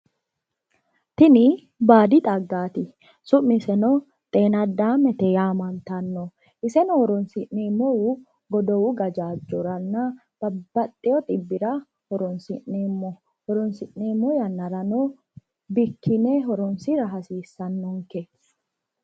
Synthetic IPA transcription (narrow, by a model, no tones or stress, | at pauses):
t̪ɪnɪ | baːd̪ɪt̪ʼɐɡːaːt̪ɪ | sʊʔːɪsɛnɔ | t̪ʼe̞ːnɐd̪ːaːmɛt̪ɛjaːmɐnt̪ɐnːɔ | ʔɪsɛnɔhɔɾɔnsɪʔneːmːɔwu | ɡɔd̪ɔwʊɡɐd͡ʒaːd͡ʒːɔɾɐnːɐ | b̥ɐbːɐt̪ʼːɛjɔt̪ʼɪbːɪɾɐ | hɔɾɔnsɪʔneːmːɔ | hɔɾɔnsɪʔneːmːɔjɐnːɐɾɐnɔ | bɪkʰːɪneɦɔɾɔnsɪɾɐɦɐsiːsːɐnːɔŋkes